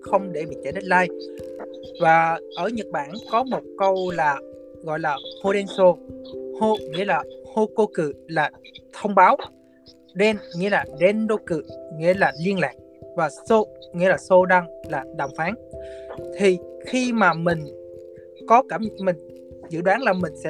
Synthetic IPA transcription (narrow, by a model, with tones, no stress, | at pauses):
xə˧wŋ͡mɗe˧˩ɓḭ˧˨t͡ɕa˧˩jɗə˦˥t̚laː˧j | vaː˨˩ʔəː˧˩ɲə˨˩t̚ɓaː˧˩nkɔ˨˦mo˨˩t̚kə˧wlaː˨˩ | ɣɔ̰˧˨jlaː˨˩ho˧ɗɛ˧nso˧ho˧ŋḭ˧˥əlaː˨˩ho˧ko˧kɨ̰˧˨laː˨˩t̪ʰə˧wŋ͡mɓaː˨˦w | ɗɛ˧nŋḭ˧˥əlaː˨˩ɗɛ˧nɗo˧kɨ̰˧˨ŋḭ˧˥əlaː˨˩li˧ənla̰ː˨˩k̚vaː˨˩so˧ŋḭ˧˥əlaː˨˩so˧ɗa˧ŋlaː˨˩ɗa̰˧˩wŋ͡mfaː˨˦n | t̪ʰi˨˩xi˧maː˨˩mï˨˩ŋ̟ | kɔ˨˦kaː˧˩mmï˨˩ŋ̟ | zɨ̰˧˨ɗwaː˨˦nlaː˨˩mï˨˩ŋ̟sɛ̰˧